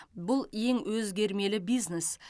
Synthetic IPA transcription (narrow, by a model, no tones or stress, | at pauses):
bʊlˠje̞ŋwʔɵzɡʲe̞ɾme̞lɪbijznes